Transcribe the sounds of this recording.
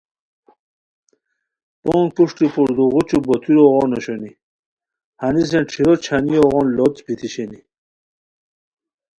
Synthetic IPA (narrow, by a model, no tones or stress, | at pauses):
poːŋkuʂʈipuɾd̪uʁut͡ɕubot̪ʰiɾoʁoːnoɕoni | hanis̬enʈ͡ʂʰiɾot͡ɕʰanijoʁoːnlot͡sbit̪ʰiɕeni